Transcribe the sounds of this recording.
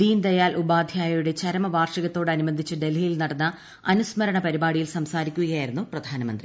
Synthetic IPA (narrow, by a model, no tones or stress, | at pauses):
d̪iːnd̪ɐjaːlʔubaːd̪ʱjaːjɐjuɽe̞t͡ɕɐɾɐmɐʋaːrʂɐɣɐt̪ːo̞ːɽɨɐnubɐnd̪ʱit͡ɕːɨɖe̞lijilnɐɽɐnːɐ | ɐnusmɐɾɐɳɐpɐɾibaːɽijilsɐmsaːɾikʲːuɣɐjaːjiɾunːuprɐd̪ʱaːnɐmɐnd̪rḭ